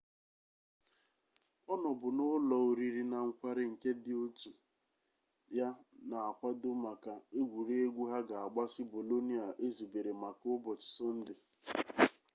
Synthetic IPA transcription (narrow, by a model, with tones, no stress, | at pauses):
ɔ˦nɔ˨bʊ˨nʊ˦lɔ˨o˨ɾi˨ɾi˨na˨ŋ̩˦kʷa˦ɾɪ˦ŋ̩˨ke˦dɪ˦o˦tu˨ | ja˦na˨a˨kʷa˦dʊ˦ma˨ka˨e˦ɡʷu˨ɾe˦e˦ɡʷu˦ɦa˦ɡa˨a˨ɡ͡ba˦si˦bo˨lo˦ni˦a˨ʔe˦zi˨be˨ɾe˨ma˨kʊ˦bɔ˨t͡ʃɪ̥˨sɪ˦n̩˦dɪ˨